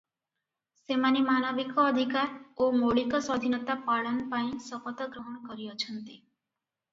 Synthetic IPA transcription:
semanimanʌbikɔːd̪ʱikaɾomoɭikɔsɔd̪ʱinɔt̪apaɭənpaĩsʌpɔt̪əɡɾɔɦɔnkɔɾiɔt͡ʃʰənt̪i

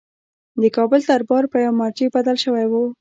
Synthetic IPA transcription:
d̪əkɑbəlt̪aɾbɑɾpəjawmɑɾd͡ʒibad̪alʃəwajwu

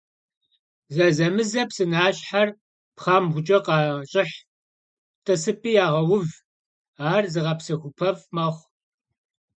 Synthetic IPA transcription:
zɐzɐmɨzɐpsɨnaːɕħar | pχɑːmʁʷʊt͡ʃʼɐqɑːɕʼɪħ | tʼɐsɨpʼiːjaːʁɐwʊv | aːrzɨʁɐpsɐxʷʊpʰɐvmɐχʷ

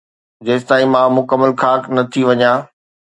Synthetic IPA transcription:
d͡ʑeːst̪aːĩmãmʊkəmːəlkʰaːknɐt̪ʰiʋɐɲãː

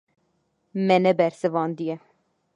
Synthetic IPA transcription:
mɛnɛbɛɾsɨvɑːnd̪ijɛ

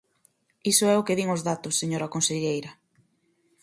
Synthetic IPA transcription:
isʊɛʊkɪðiŋʊzðat̪ʊsːeɲoɾɐkonseʎejɾɐ

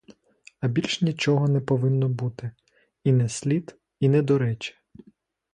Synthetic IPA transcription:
ɐbʲilʲʃnʲit͡ʃɔɦɔnɛpɔʋɪnːɔbut̪ɪ | inɛsʲlʲit̪ | inɛd̪ɔɾɛt͡ʃɛ̥

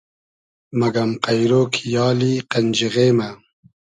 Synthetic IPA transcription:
mɐɡɐmqajɾoːkʰijɑːliqɐnd͡ʑiɣeːma

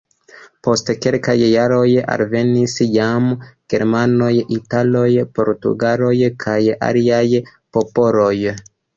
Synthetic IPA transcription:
po̞stkelkajːaɾo̞ja̰lve̞nisjamɡ̥e̞ɾmano̞jitalo̞jpo̞̰ɾtṵɡalo̞jkʰaja̰liajpo̞po̞lo̞j

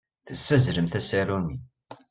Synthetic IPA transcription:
θəsːæzɾəmθæsiɾumi

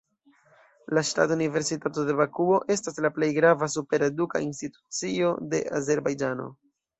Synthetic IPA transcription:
laʃta̰tunive̞ɾsitatode̞bakuo̞ʔe̞staslaple̞jɡɾavasupe̞ɾe̞duka̰institu̥t͡sio̞de̞̰ʔa̰ze̞ɾbajd͡ʒano̞̰

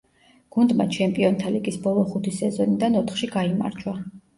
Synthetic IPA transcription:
ɡ̥und̪ma̰t͡ʃʰɛmpʼiɔnt̪ʰaliɡisbɔlˠɔχut̪ʰisɛzɔnid̪anɔt̪ʰχʃiɡaima̰ɾd͡ʒwa

